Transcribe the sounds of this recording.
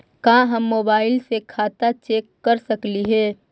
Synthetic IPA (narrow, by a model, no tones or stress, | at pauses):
kãːɦɐmːoːbaːɪlsekʰaːt̪at͡ʃeːkːəɾsəkliɦɛː